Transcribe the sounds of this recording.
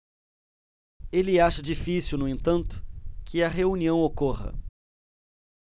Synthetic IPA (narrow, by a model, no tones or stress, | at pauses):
elɪaʃɐd͡ʒifisiwnʊẽnt̪ɐ̃nt̪ʊ̥kʰɪɐɦeuniɐ̃w̃okoʁɐ̰